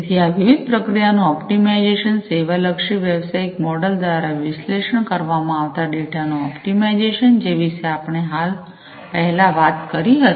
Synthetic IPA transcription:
t̪ʰiaʋiʋid̪̚pɾəkɾijanũɔpʈimaid͡ʒeʃənseʋaləkʃiʋeʋsaikmɔɖəld̪ʋaɾaʋɪsleʃəɳkəɾʋamãaʋt̪aɖeʈanũɔpʈimaid͡ʒeʃənd͡ʒeʋiʃeapəɳ̃eɦal | pəɦlaʋat̪kəɾiɦət̪

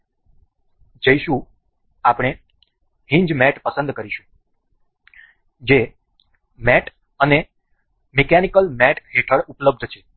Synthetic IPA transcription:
d͡ʒəiʃũ | apɽ̃e | ɦĩɲd͡ʒmɛʈpəsə̃nd̪kəɾiʃũ̥ | d͡ʒe | mɛʈʰ | əne | mekɛnikəlmɛʈʰɦeʈʰəɽupləb̚d̪ʱt͡ʃʰe

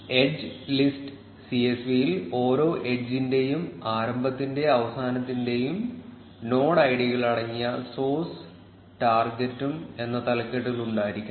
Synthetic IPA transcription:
e̞d͡ʑɨlisʈɨ | siesʋijilo̞ːɾo̞ːʔed͡ʑinde̞jumaːɾɐmbɐt̪ːinde̞ɐʋɐsaːnɐt̪ːinde̞jum | no̞ːɽɐjɽiɣɐɭɐɽɐŋːijɐso̞ːs | ʈaːrɡetːume̞nːɐt̪ɐlɐkːeʈːuɣɐluɳɖaːjiɾikʲːu

